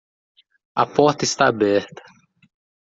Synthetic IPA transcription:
ɐ̰pɔɾt̪ɐɪst̪aːbɛɾt̪ɐ̥

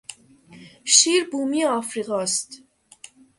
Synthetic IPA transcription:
ʃiːɾbuːmiɒːfɾiɣɒːst̪

